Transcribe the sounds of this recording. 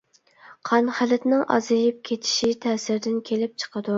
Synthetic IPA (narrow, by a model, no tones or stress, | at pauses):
qʰɑnχælɪt̪nɪŋʔɑ̰zɨjɪp̚kʲʰet̪ʰɪ̥ʃit̪ʰɛːsɪɾd̪ɪnkʲʰelɪp̚t͡ʃʰə̥qʰəd̪u